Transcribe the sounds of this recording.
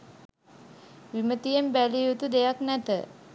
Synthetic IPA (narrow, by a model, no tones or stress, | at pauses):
ʋimət̪ijembælijut̪ud̪ejaknæt̪ə